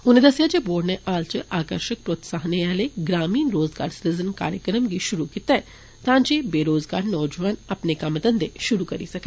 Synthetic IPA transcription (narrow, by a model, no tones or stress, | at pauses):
ʊnẽd̪əsɪjad͡ʒeːboːɽneʔaːlt͡ʃʔaːkəɾʃək̚pɾoːt̪saːɦneɛːleɡɾaːmiːnɾoːzɡaːɾsɾɪzənka̰ːɾjəkɾəmɡiʃʊɾukit̪aɛ | t̪ãːd͡ʒebeːɾoːzɡaːɾnɔːd͡ʒʋaːnɐpnekɐmt̪ənd̪eʃʊɾukɐɾisɐke